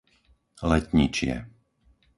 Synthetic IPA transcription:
lɛt̪ɲit͡ʃɪɛ̰

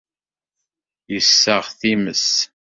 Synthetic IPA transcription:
jəsːəʁθiməs

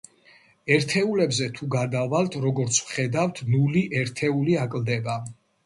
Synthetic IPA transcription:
ɛɾt̪ʰɛulɛbzɛt̪ʰuɡad̪avalt̪ʰɾɔɡɔɾt̪sʰwχɛd̪aft̪ʰnuliʔɛɾt̪ʰɛuliakʼld̪ɛba

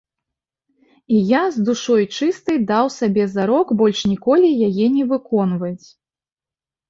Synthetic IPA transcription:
ijazd̪uʂɔjt͡ʂɨst̪ɐjd̪awsabʲɛzaɾɔɡbɔlʲʂnʲikɔlʲijajɛnʲɛvɨkɔnvɐjt͡sʲ

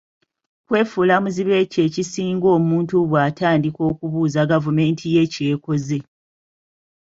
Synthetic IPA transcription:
kwe̞ːfuːlamuziβe̞ce̞ːcisiːŋɡo̞ːmuːntuβwaːtʰaːndiko̞ːkuβuːzaɡavume̞ːntʰije̞ce̞ːko̞ze̞

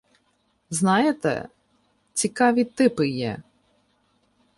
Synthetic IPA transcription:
znɑjet̪ɛ̰ | t͡sʲikɑʋʲit̪ɪpɪjɛ

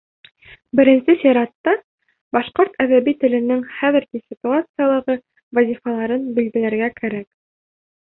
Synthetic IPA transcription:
bɘ̆ɾɘ̆nsɘsʲɪɾɑt̪ːɑ | bɑʃqoɾt̪æðæβit̪ɘ̆lɘ̆nɘŋχæðɘ̆ɾɡisʲit̪uat̪sɨjalˠɤ̆ʁɤ | vɐzʲifɑlˠɑɾɤnbilɡɘ̆læɾɡækæɾæk̚

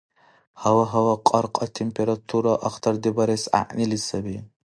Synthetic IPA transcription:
hɐwɐɦɐwɐqʼɑɾqʼɐt̪ʰempeɾat̪ʰuɾaʔɐxt̪ʰɐɾd̪ibɐɾesa̰ʔnilisɐbi

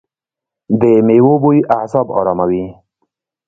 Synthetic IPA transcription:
d̪emewobujʔahsɑbɑ̰ːɾɑːmawi

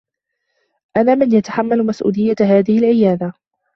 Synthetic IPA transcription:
ʔanaːmɪnjat̪ḁħamːalmasʔṵːlɪjːahaːðɪhɪlʕɪjaːd̪a

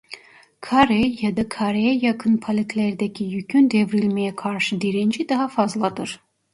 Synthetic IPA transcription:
kʰaɾejad̪akʰaɾejɛjakʰɯnpʰalʲet̪ʰlʲæɾd̪ɛcʰijycʲʰynd̪evɾilʲmɛjɛkʰaɾʃɯd̪iɾind͡ʒid̪aɦafazlˠad̪ɯɾ̥

